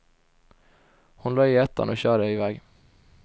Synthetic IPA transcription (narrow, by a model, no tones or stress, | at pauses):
hʊnlɑːiːɛt̪ɑ̰noːçøːɾəɪːʋɛɡ